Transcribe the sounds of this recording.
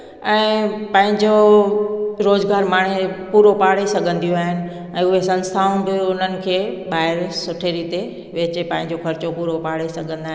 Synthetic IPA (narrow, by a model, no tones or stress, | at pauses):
ɛ̃ːpɐ̃ɦɪ̃ɲd͡ʑo | ɾoːzɡaːɾmaːɽ̤̃epuːɾopaːɽ̤esɐɡʱə̃nd̪ijũaːɦɪnɪ̆ | ɛ̃ːʊɦesɐ̃nst̪ʰaːʊ̃bɪʊn̤ənɪ̆kʰeːɓaːɪɾsʊʈʰeɾiːt̪e | ʋeːt͡ɕepɐ̃ɦɪ̃ɲd͡ʑokɐɾɪt͡ɕopuːɾopaːɽ̤esɐɡʱə̃nd̪aːɦ